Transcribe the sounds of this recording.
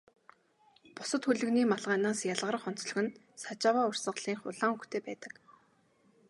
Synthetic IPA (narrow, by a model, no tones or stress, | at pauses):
pʊsə̆t̪xuɮɘ̆ɣniːmaɮʁaːnaːsjaɮʁə̆r̆χɔn̥t͡sɮɞ̆xɘ̆n | sat͡ɕaːwaːʊr̥sə̆ɴɢɮiːŋχʊɮaːŋuxt̪ʰeːpæːt̪ə̥̆k